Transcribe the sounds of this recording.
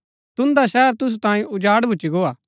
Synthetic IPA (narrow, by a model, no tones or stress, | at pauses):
t̪ʊ̃nd̪aʃɛːəɾt̪ʊs̬ut̪ãːĩʊd͡ʒaːɽbʱʊt͡ʃːiɡoːaː